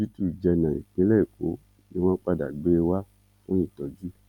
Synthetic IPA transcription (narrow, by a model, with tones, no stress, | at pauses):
d͡ʒi˦tu˦˨d͡ʒɛ˧nã˨ḭ˨k͡pe˨˦lɛ˦i˨ko˨˦ | ni˦˧wɔ̃˦k͡pa˧da̰˨ɡ͡be˨˦e˧wa˦ | fũ˦ĩ˦˨tɔ˨d͡ʒu˦